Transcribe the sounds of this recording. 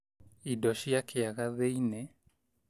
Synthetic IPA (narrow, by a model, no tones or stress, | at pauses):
idɔʃijakʰeaɣaðeinɛ